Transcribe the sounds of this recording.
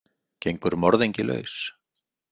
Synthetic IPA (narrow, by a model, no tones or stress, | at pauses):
cejŋkʏɾmɔɾðejɲcɪlœ̰ɥs